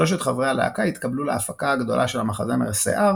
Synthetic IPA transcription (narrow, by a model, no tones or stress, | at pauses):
o̞ʃ̬e̞t̪χavʁealḛa̰kait̪kabluleafakaaɡd̪o̞̰lʔaʃelamaχazemeʁsḛʔaʁ